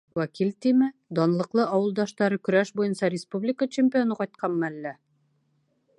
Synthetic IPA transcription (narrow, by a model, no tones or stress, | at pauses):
wækilʲt̪imɘd̪ɒnlˠɤ̆qlˠɤʔɑwɤ̆lˠd̪ɑʃt̪ɑɾɤkɵ̆ɾæʃbujɤnsɑɾʲɪspublʲɪkət͡ɕɪmʲpʲio̞nɤqɑjt̪̚qʰɑmmælːæ